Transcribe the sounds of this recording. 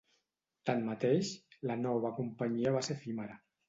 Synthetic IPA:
t̪anmat̪eʃlanɔβ̞akumpaɲiəβ̞asefimaɾa

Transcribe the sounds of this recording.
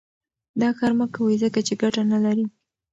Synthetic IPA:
d̪ɑxaɾmakːawəjzəkat͡ʃeɡaʈanalaɾi

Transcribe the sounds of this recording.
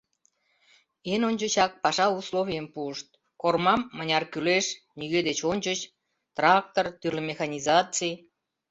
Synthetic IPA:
enonʲt͡ɕət͡ɕɑk̚pɑʃɑuslovʲijəmpuəʃt̪̚ | kormɑmːənʲɑrkyleʃ | niɣed̪et͡ɕonʲt͡ɕət͡ɕ | t̪rɑk̚t̪ort̪yrlemʲexɑnʲizɑt͡sij

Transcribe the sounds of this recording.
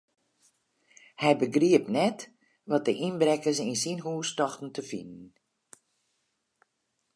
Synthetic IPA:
hɛjbəɡriəpnɛt | ʋɔt̚dəʔinbrɛkəs̬insinɦuːstɔxtn̩təfḭnən̩

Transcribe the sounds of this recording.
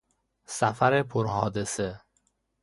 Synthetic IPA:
sæfæɾepʰoɾɦɒːd̪ese

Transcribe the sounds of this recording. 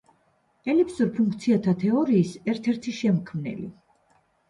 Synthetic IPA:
ɛlipʰsuɾpʰuŋk̚ʰt̪sʰiat̪ʰat̪ʰɛɔɾiːsɛɾt̪ʰɛɾt̪ʰiʃɛmkʰmnɛ̰lḭ

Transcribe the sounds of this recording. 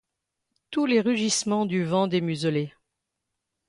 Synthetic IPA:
t̪uleʁyʒismɑ̃d̪yvɑ̃d̪emyzəle

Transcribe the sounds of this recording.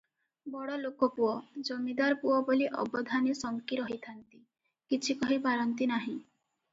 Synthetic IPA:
bɔɽɔlokɔpuɔd͡ʒɔmid̪aɾpuɔboliʔɔ̰bɔd̪ʱanisɔŋkiɾɔɦit̪ʰant̪i | kit͡ʃʰikɔɦipaɾɔnt̪inaɦĩ

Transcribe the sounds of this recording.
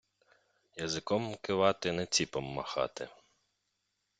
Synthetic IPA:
jɐzɪkɔmkɪʋɑt̪ɪnɛt͡sʲipɔmːɐxɑ̰t̪ɪ̰

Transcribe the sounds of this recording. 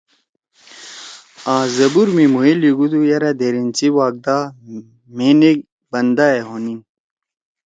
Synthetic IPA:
aːzɐbuɾmimuiliɡud̪ujɐɾɐd̪eɾint͡siwaːɡ̚d̪a | meneɡ̚ | bɐnd̪aeɦonin

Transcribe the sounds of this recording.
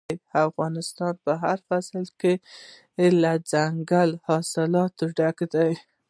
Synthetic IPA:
jafɣɑnɪst̪ɑnpəɦaɾfaslke | lad͡zaŋɡalhɑsɪlɑt̪ɖakd̪aj

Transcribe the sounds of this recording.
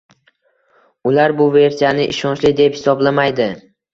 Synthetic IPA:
ʊlaɾbʊve̞ɾsijanɪʔɪʃɒnt͡ʃlɪd̪e̞phɪsɒblamajd̪ɪ

